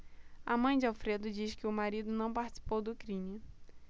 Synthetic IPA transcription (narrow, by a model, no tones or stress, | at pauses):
ɐmɐ̃j̃d͡ʒɪawfɾed̪ʊd͡ʒiʃkɪʊmaɾid̪ʊnɐ̃w̃paɾt͡ʃi̥si̥powd̪ʊkɾĩmɪ